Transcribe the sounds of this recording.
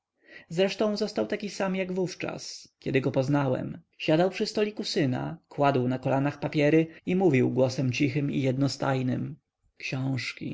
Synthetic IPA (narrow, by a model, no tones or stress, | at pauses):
zɾɛʂt̪ɔ̃w̃zɔst̪awt̪akʲisamjaɡvuft͡ʂa̰skʲɛd̪ɘɡɔpɔznawɛ̰m | ɕad̪awpʂɘst̪ɔlʲikusɘna̰kwad̪wnakɔlanaxpapʲjɛɾɘimuvʲiwɡwɔsɛmt͡ɕixɘmḭjɛd̪nɔst̪ajnɘm | kɕɔ̃w̃ʂkʲḭ